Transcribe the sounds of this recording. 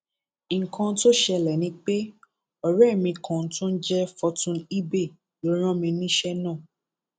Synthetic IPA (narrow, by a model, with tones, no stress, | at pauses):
ŋ̩˨kʰã˧˦to˦ʃɛ˧lɛ˨nĩ˧˦k͡pe˦ | ɔ˨ɾɛ˦˨mĩ˧kã˨n̩˦tũ˦n̩˦d͡ʒɛ˦fɔ˧tũ˧ni˦be˦˨ | lo˨˦ɾ̃ã˦mĩ˧nĩ˦ʃɛ˦nã˦˨